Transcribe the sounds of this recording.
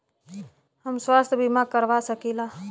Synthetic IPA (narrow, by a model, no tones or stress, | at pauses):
həmswaːst̪ʰbimakəɾʋasəkilaː